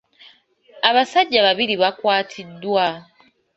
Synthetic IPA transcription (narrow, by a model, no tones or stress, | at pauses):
aβasaɟːaβaβiɾiβakwaːtʰidːwa